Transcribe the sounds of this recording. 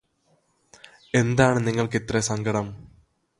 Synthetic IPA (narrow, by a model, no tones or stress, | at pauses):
e̞nd̪aːɳɨniŋːɐɭkit̪resɐŋɡɐɽɐm